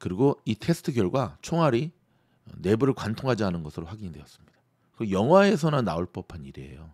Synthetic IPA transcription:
kɯɾiɡoitʰe̞sʰɯ̥tʰɯɡjʌɭɡwat͡ɕʰoŋɦaɾḭ | ne̞buɾɯɭkwantʰoŋɦad͡ʑaɦanɯnɡʌsʰɯɾoɸwaɡiɲidwe̞jʌs͈ɯmɲid̥a | ɯjʌŋwae̞s̬ʰʌnanːaoɭp͈ʌpʰaniɾḛjo

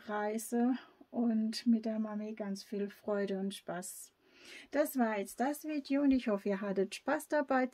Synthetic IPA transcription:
ʁaɪzəʔʊntmɪt̚d̥eːɐmameɡant͡sfiːlfʁ̥ɔʏɾəʊntʃpas | d̥asv̥aːɐjɛt͡st̚d̥asv̥iːdeoʊntɪçhɔfəiːɐɦatətʃpaːsd̥abaɪ

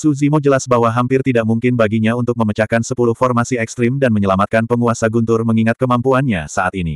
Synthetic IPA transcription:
suzimod͡ʒəlasbaɦwaɦampɪrt̪idaʔmuŋkɪnbaɡiɲaunt̪ʊk̚məmət͡ʃakansəpuluhfɔrmasiɛkst̪ɾɪmdanməɲəlamat̪̚kanpəŋuasaɡunt̪ʊrməŋiŋat̪̚kəmampuanɲasaat̪inḭ

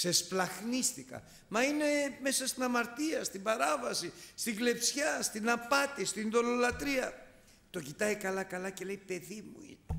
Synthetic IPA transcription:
se̞splɐxnist̪ikɐ̰ | mɐine̞me̞sɐst̪inɐmɐɾt̪iɐst̪imbɐɾɐvɐsist̪iɡle̞psçɐst̪inɐpɐt̪ist̪iniðo̞lo̞lɐt̪ɾiɐ | t̪o̞cit̪ɐjkɐlɐkɐlɐcele̞jpe̞ðimṵḭne

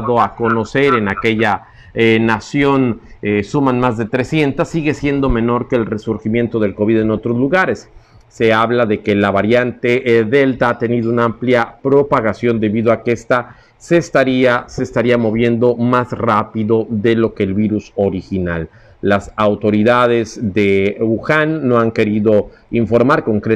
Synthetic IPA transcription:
ðoako̞no̞se̞ɾe̞nake̞ʝa | nasjo̞nsumanmazðe̞t̪ɾe̞sje̞nt̪asːiɣe̞sje̞nd̪o̞me̞no̞ɾke̞ːlre̞suɾximje̞nt̪o̞ð̞elko̞βiðe̞no̞t̪ɾo̞zluɣaɾe̞sː | e̞aβlaðe̞ke̞laβaɾjant̪e̞ðe̞lt̪aat̪e̞niðounaampljapɾo̞paɣasjo̞nd̪e̞βiðo̞akeest̪a | sest̪aɾiase̞ːst̪aɾiamo̞βje̞nd̪o̞mazrapiðo̞ðe̞lo̞ke̞ːlβiɾuso̞ɾixina̰lː | asawt̪o̞ɾiðaðe̞zðe̞uxanːo̞aŋke̞ɾiðo̞ | iɱfo̞ɾmaɾko̞ŋkɾe

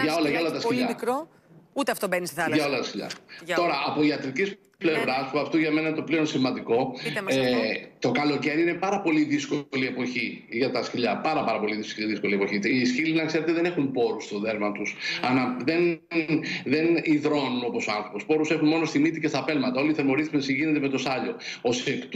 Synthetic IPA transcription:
ʝɐolɐʝɐo̞lɐt̪ɐsciʎɐkɾo | ut̪eɐft̪obenisʝɐo̞lɐt̪ɐsciʎɐ̰t̪o̞ɾɐʔːpoiɐt̪ɾicis | ple̞vɾɐspuɐft̪oʝɐme̞nɐint̪o̞pleo̞nsimɐnd̪iko̞ | t̪o̞kɐlo̞ce̞ɾiine̞pɐɾɐpo̞liðiskolie̞po̞çi | ʝɐt̪ɐsçiʎɐpɐɾɐpɐɾɐpo̞liðisðisko̞liepoçit̪isçilinɐkse̞ɾe̞t̪eðe̞nexunpo̞ɾust̪o̞ðe̞ɾmɐt̪usɐnɐðe̞n | ðe̞niðɾo̞nuno̞po̞soɐnθɾopo̞spo̞ɾuse̞xunmo̞no̞st̪imit̪ice̞st̪ɐpe̞lmɐt̪ɐo̞liθeɾmo̞ɾiθimensiʝine̞t̪̬eme̞t̪o̞sɐʎo̞̰osekt̪

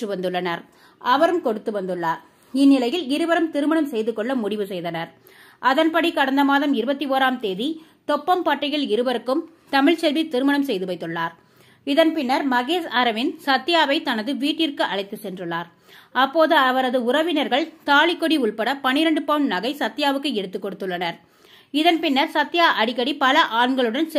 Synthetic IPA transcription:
ɯʋɐnd̪ɯɭːɐnɐɾ | ʔɐʋɐɾɯmkɔɽɯt̪ːɯʋɐnd̪ɯɭːaːɾ | ɪnːɪlɐjɪlɪɾɯʋɐɾɯmt̪ɪɾɯmɐɳɐmsɛjðɯkːɔɭːɐmʊɽɪʋɯsɛjðɐnɐɾ | ʔɐðɐnpɐɽikɐɽɐnd̪ɐmaːðɐmɪɾɯbɐt̪ːioːɾaːmt̪eːði | t̪ɔpːɐmpɐʈːɐjɐɭɪɾɯbɐɾɯkːɯm | t̪ɐmɪɭt͡ʃɛlʋit̪ɪɾɯmɐɳɐmsɛjðɯʋɐɪt̪ːɯɭːaːɾ | ɪðɐnpɪnːɐɾmɐɣeːsaɾɐʋɪnsɐt̪ːɪjaːʋɐɪt̪ɐnɐðɯʋiːʈːɪrkɯʔɐɭɐɪt̪ːɯsɛndrɯɭːaːɾ | ɐpːoːðɯɐʋɐɾɐðɯʊɾɐʋɪnɐɾɣɐɭt̪aːɭɪkːɔɽiʊɭpɐɽɐpɐnɪɾɐɳɖɯpɐɳnɐɣɐɪsɐt̪ːɪjaːʋɯkːɯɛɽɯt̪ːɯkːɔɽɯt̪ːɯɭːɐnɐɾ | ɪðɐnpɪnːɐɾsɐt̪ːɪjaːʔɐɽɪkːɐɽipɐlɐʔaːɳɡɐɭɯɽɐns

